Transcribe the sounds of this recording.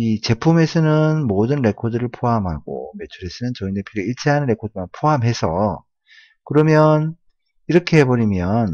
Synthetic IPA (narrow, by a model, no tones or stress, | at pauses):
it͡ɕe̞pʰume̞sʰɯnɯnmodɯnɾe̞kʰodɯɾɯɭpʰoɦamɦa̰ɡ̥o̰me̞t͡ɕʰuɾe̞sʰɯnɯnt͡ɕʌindepʰiɾɯiɭt͡ɕʰeɦanɯnɾe̞kʰodɯmanpʰoɦamɦe̞sʰʌ | kɯɾʌmjʌn | iɾʌkʰe̞ɦe̞bʌɾimjʌn